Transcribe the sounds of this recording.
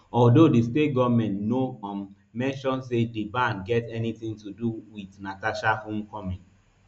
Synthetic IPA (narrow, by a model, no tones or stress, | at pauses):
ɔldodistet̚ɡɔvmɛ̃ntnoã | mɛ̃nʃɔ̃nsedibãnɡɛtɛniθĩŋtuduwidnataʃahũmkɔmĩn